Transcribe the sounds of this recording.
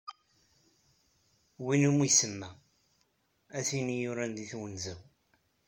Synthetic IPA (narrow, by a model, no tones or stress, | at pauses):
winumisəmːæ | æθinijʊɾænd̪iθwənzæw